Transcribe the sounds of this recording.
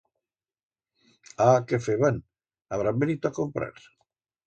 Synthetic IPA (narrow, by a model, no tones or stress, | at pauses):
akefeβan | aβɾambenit̪oakompɾa̰ɾ